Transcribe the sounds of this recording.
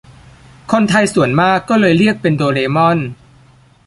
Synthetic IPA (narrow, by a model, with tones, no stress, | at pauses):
kʰo˧nt̪ʰa˧jsu˨˩˦ənmaː˥˩kːɔː˥˩lɤː˧jɾi˥˩ək̚pe˧ndoː˧ɾeː˧mɔ˥˩n